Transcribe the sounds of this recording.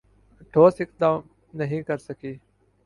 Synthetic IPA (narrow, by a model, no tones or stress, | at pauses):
ʈʰoːsɪk̚d̪ãːm | nəɦĩːkəɾsəkʰiː